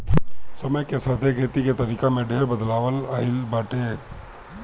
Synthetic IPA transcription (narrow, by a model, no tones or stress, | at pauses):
sɐməjkesaːt̪ʰekʰeːt̪iket̪ɐɾiːkamẽɖʱeːɾbəd̪laːʋəlɐɦɪlbaːʈeː